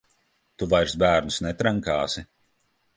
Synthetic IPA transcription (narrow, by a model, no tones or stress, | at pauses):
t̪uvajɾsbæːɾnusnɛt̪ɾaŋkaːsi